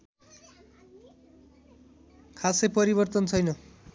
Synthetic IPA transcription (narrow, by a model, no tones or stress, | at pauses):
kʰasʌjpʌɾiβʌrt̪ʌnt͡sʰʌjnʌ